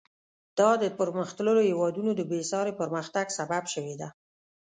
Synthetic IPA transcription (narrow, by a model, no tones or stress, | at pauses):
d̪̥ɑd̪əpəɾməxt̪ləɾohewɑd̪unod̪əbesɑɾepəɾməxt̪aɡsababʃəwed̪a